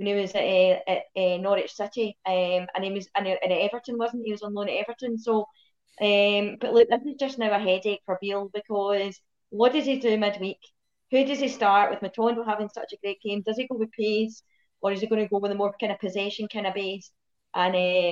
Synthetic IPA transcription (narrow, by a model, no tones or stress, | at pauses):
wə̃niwɔzʔɛɪʔɛnɔɹɪ̥t͡ʃsɪʔiɛ̃mə̰̃niwəzə̃nʔə̃nɛvə˞ʔə̃nwɔzn̩ʔhiwɒzə̃n̩lˠõnʔɛvə˞ʔə̃nso | ʔɛmb̥ʌʔlˠʉk̚ðɪsnɪ̥d͡ʒʌsnaʊəɦɛdekfə˞bilˠbɪkʰɔz̥ | wɔʔd̥ədidʉmɪd̚wik | hʉdɪd̚istaɹʔwʔɪðmətʰɔ̃ndəɦavɪ̃ŋsʌ̰t͡ʃəɡ̥ɹeʔɡ̥ẽmdʌz̥iɡowɪð̥pʰez̥ | ʔə˞ɪziɡ̥õnəɡowɪðəmɔɹkʰãɪ̃ndə̥pʰəzɛʃə̃nkʰãɪ̃nəbez | ʔə̃nɛ